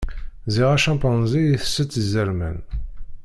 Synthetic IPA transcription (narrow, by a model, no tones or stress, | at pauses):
ziʁæʃæmpənzijiθə̥sːət͡s̪ːzəɾmæ̰n